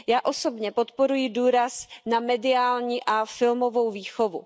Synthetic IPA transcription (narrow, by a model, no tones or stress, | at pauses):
jaːʔo̞so̞bɲɛpo̞t̪po̞ɾujɪduːɾasnamɛdɪaːlɲiːʔafɪlmo̞vo̞wviːxo̞vṵ